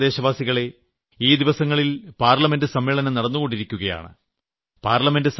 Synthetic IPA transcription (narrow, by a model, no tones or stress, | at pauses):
e̞ːɕɐʋaːsiɣɐɭe̞ | iːd̪iʋɐsɐŋːɐɭilpaːrlɐme̞ndɨsɐmːe̞ːɭɐnɐmnɐɽɐnːuɣo̞ɳɖiɾikʲːuɣɐja̰ːɳɨ̰ | paːrlɐme̞ndɨs